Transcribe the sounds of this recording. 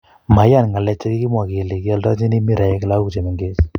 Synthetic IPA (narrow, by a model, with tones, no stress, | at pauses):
ma˨˦ja˦˨nŋa˨lɛ˦t͡ʃːa˦ki˦ki˦mwa˨ke˨le˨ki˦a˦lta̰˦t͡ʃi˦ni˦mi˦ɾa˨je˦kla˦ku˨t͡ʃe˨mɛ˨ŋɡe˦s